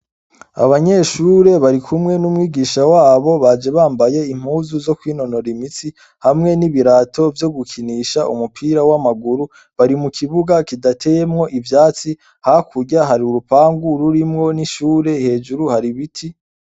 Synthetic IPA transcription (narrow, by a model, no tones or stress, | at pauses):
a̰βaɲe̞ʃuːɾe̞βaɾikʰumŋe̞numŋiːɡiːʃawaːβo̞βad͡ʒe̞βaːmbaje̞im̥huːzuzo̞kwiːno̞no̞ɾimit͡si | hamŋe̞niβiɾaːtʰo̞vjo̞ɡukʰiniʃaʔṵmupʰiːɾawamaɡuɾu | βaɾimukʰiβuɡakidatʰe̞je̞mŋo̞ʔivjaːt͡si | hakʰuɾɟaɦaɾiuɾupaːŋɡuɾuɾimŋo̞niʃuːɾe̞he̞ːd͡ʒuɾuhaɾiβitʰi